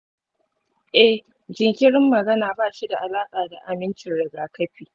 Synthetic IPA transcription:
ʔɛ˦˨h | d͡ʒɪ˨ŋkʲɪ˦ɽɪ˦mːɐ˨ɡɐ˦naː˨baː˦˨ʃi˦da˨ʔa˨laː˦kʼaː˨da˨ʔa˨mɪ˦nt͡ʃɪ˨nɽɪ˨ɡaː˨kɐ˦ɸiː˨

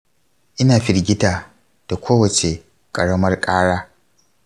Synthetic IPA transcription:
ʔɪ˦naː˨ɸɪ˨ɽɡʲɪ˦taː˨ | d̥a˨kʷoː˦wɐ˨t͡ʃe˨ | kʼɐ˨ɽɐ˦mɐ˦rkʼaː˦ɽaː˦

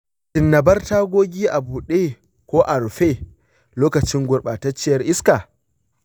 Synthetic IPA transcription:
tɪ˨nːɐ˨bɐ˦rtaː˦ɡʷoː˦ɡʲiː˦ʔa˨buː˨ɗe˦ | kʷoː˦ʔa˨ɽɸe˦ | loː˦kɐ˨t͡ʃɪ˦ŋɡʷʊ˨ɽɓaː˨tɐ˦t͡ʃːɪ˦jɐ˦rʔɪ˦ska˨

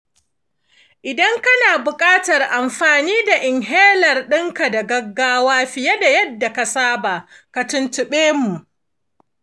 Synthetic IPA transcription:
ʔɪ˨dɐ˦ŋkɐ˦naː˨bʊ˨kʼaː˦tɐ˨rʔa˨mɸaː˨niː˦da˨ʔɪ˨ŋɦeː˦lɐ˨rɗɪ˦ŋka˨da˨ɡɐ˦ɡːaː˦waː˦ɸɪ˨jɛ˦da˨jɐ˦dːa˨ka˨saː˦ba˨ka˨tʊ˦ntʊ˨ɓeː˦mu˨ʔ

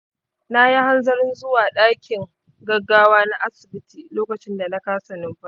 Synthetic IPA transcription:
na˦ji˦ha˦nzɐ˦ɾɪ˦nzʊ˦waː˨ɗaː˦kʲɪ˨ŋ | ɡɐ˦ɡːaː˦waː˦na˦ʔa˦sɪ˨bɪ˦tiː˨loː˦kɐ˨t͡ʃɪ˦nda˨na˦kaː˦sɐ˨nɪ˦mɸɐ˦

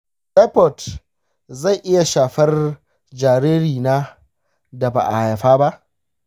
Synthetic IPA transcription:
ɗɛ˦pɔ˨t | za˦˨jʔɪ˦ja˨ʃaː˨ɸɐ˦r | d͡ʒaː˨ɾeː˦ɾiː˨naː˦ | da˨ba̰ː˨ʔa˨ha˨ɸaː˦ba˦ʔ

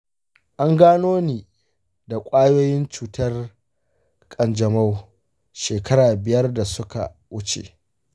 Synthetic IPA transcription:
ʔa˦ŋɡaː˦noː˦niː˨ | da˨kʷʼaː˦joː˦jɪ˦nt͡ʃuː˨tɐ˦r | kʼɐ˨nd͡ʒɐ˨ma˦w | ʃeː˨kʰɐ˦ɾaː˨bɪ˨jɐ˦rda˨sʊ˦ka̰˨ | wʊ˦t͡ʃḛː˨

